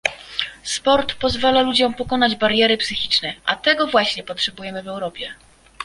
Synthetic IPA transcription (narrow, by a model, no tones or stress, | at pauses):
spɔɾt̪pɔzvalalud͡ʑɔ̃mpɔkɔnad͡ʑbaɾjɛɾɘpsɘxʲit͡ʂnɛʔa̰t̪ɛɡɔvwaɕɲɛpɔtʂɛbujɛmɘvɛwɾɔpʲjɛ